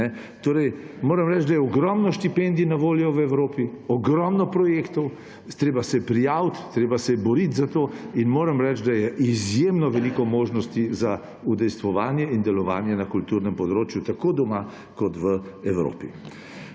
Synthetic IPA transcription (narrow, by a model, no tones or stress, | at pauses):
nɛ | t̪oːɾɛj | moːɾɛmɾɛt͡ʃd̪ajɛɔɡɾɔmnɔʃt̪ipend̪inaʋoːljɔʋɛwɾoːpiɔɡɾɔmnɔpɾɔjeːkt̪ɔw | t̪ɾeːbasɛpɾijaːwt̪t̪ːɾeːbasɛbɔɾit̪zat̪oːinmoːɾɛmɾɛt͡ʃd̪ajɛʔizjemnɔʋɛlikɔmoːʒnɔst̪iza | ud̪ɛjst̪ʋɔʋaːnjɛind̪ɛlɔʋaːnjɛnakult̪uːɾnɛmpɔd̪ɾoːt͡ʃjut̪akod̪ɔma | kɔt̪ʋəɛwɾo̰ːpi